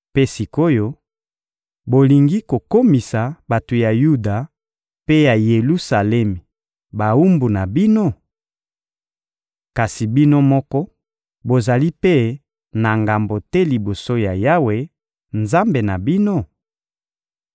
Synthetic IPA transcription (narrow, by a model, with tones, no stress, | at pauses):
pe˦si˨ko˦jo˦ | bo˨li˨ŋɡi˦ko˨ko˦mi˨sa˨ba˨to˨ja˨ju˦da˨ | pe˦ja˨je˨lu˦sa˨lɛ˦mi˨ | ba˨u˦mbu˨na˨bi˦no˦ | ka˨si˨bi˦no˦mɔ˦kɔ˦ | bo˨za˨li˦pe˦ | na˨ŋɡa˨mbo˨tɛ˦li˨bo˨so˦ja˨ja˦we˦ | nza˦mbe˨na˨bi˦no˦